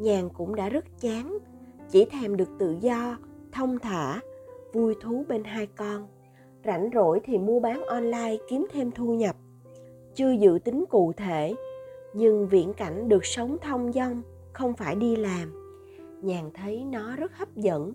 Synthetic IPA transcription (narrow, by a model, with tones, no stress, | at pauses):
ɲaː˨˩ŋkʊ̰˧˥ŋ͡mɗa̰ː˧˥zə˦˥t̚t͡ɕaː˨˦ŋ | t͡ɕi˧˩t̪ʰɛ˧˩mɗɨ˨˩ək̚t̪ɨ̰˧˨zɔ˧t̪ʰə˧wŋ͡mt̪ʰa̰ː˧˩vu˧jt̪ʰu˨˦ɓe˧nɦaː˧jkɔ˧n | za̰˧˩jŋ̟zo̰˧˩jt̪ʰi˨˩mu˧əɓaː˨˦nʔɔ˧nlaː˧jki˨˦əmt̪ʰe˧mt̪ʰu˧ɲə˨˩p̚ | t͡ɕɨ˧əzɨ̰˧˨t̪ï˨˦ŋ̟kṵ˧˨t̪ʰe˧˩˨ɲɨ˧ŋvḭ˧˨ənka̰˧˩jŋ̟ɗɨ˨˩ək̚sə˨˦wŋ͡mt̪ʰə˧wŋ͡mzə˧wŋ͡m | xə˧wŋ͡mfaː˧˩jɗi˧laː˨˩m | ɲaː˨˩ŋt̪ʰə˨˦jnɔ˨˦zə˦˥t̚hə˦˥p̚zə̰˧˥n